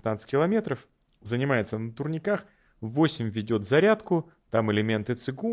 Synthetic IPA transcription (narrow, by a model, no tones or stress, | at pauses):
t̪nat̪sɨ̥kʲɪlˠɐmʲe̞t̪ɾəf | zənʲɪmajɪt̪sənət̪ʊrnʲɪkax | vosʲɪmʲvʲɪdʲo̞t̪zɐɾʲat̪kʊ | t̪amɪlʲɪmʲe̞nt̪ɨt̪sɨɡu